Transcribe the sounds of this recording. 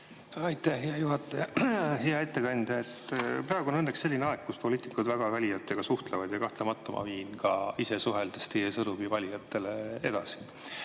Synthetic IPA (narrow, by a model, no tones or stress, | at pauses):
ɑjt̪ːˑæhɦeɑjuɦɑt̪ːˑejɑheɑe̞t̪ːe̞kɑnʲd̪ɑet̪ːprɑːeɡ̥uonɤnːeksːe̞lʲːineɑekkːuspo̞lʲiːt̪ːˑikud̪væɡ̥ɑvælʲijɑt̪ːˑeɡ̥ɑsuht̪levɑd̪̥ʲjɑkɑht̪lemɑt̪ːˑomʔɑ̰viːnkɑise̞suɦeld̪̥e̥st̪ejesɤnuvivɑlʲijɑt̪ːˑe̞lee̞d̪̥ɑsi̥